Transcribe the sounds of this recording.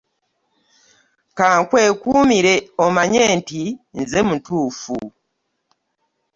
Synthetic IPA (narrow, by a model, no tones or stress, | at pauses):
kaːŋkweːkuːmiɾeomaɲeːntinzemutuːfu